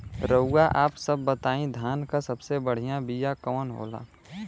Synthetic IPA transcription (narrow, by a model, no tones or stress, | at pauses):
ɾəʊɡaʔaːpsəbːət̪aːĩd̪ʱjaːnkasəbsebəɽ̤ijãbijakɔːnɦo̰ːla̰ː